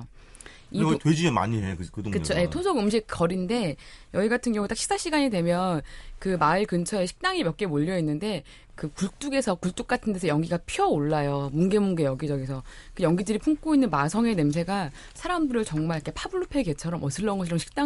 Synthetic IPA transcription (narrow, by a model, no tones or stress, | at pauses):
itwed͡ʑiema̰ɲiekɯkɯdoŋkɯt͡ɕʰojetʰosʰʌɡɯmɕ̬ʰik̚kʌɾinde̞jʌiɡatʰɯnɡjʌŋut͈akɕʰi̥s͈ʰaɕʰiɡaɲidwe̞mjʌnkɯmaiɭkɯnt͡ɕʰʌeɕʰi̥k̚t͈aŋimjʌk͈emoʎːʌinːɯnde̞ | kɯkuɭt͈uɡe̞sʰʌkuɭt͈uk̚k͈atʰɯntʰe̞sʰʌjʌŋɡiɡapʰiʌoɭːajomunɡe̞muŋɡejʌɡid͡ʑʌɡis̬ʰʌkɯjʌŋɡidɯɾipʰuŋk͈oinːɯnmasʰʌŋe̞ne̞ms̬ʰe̞ɡa | sʰaɾamdɯɾɯɭt͡ɕʌŋmaɾikʰepʰabɯɭːupʰe̞ɡe̞t͡ɕʰʌɾʌmʌsʰɯɭːʌnŋɡʌɕʰid͡ʑomɕʰi̥k̚t͈a